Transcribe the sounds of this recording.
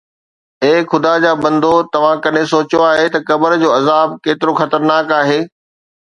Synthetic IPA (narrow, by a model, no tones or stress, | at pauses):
eːxʊd̪ad͡ʑaːbɐ̃nd̪ʱot̪ɐʋ̤ãkɐɗẽsoːt͡ɕjoaːɦet̪ɐkɐbəɾd͡ʑoːɐzaːb̚keːt̪ɪɾoxɐt̪əɾnaːkaːɦeː